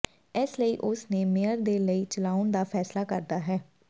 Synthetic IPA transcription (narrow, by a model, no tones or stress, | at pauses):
ɪsləiːʔʊsneːmejəɾd̪eːləiːt͡ʃəlaːʊnd̪aːpʰɛːslaːkə̰ɾd̪aːɦɛː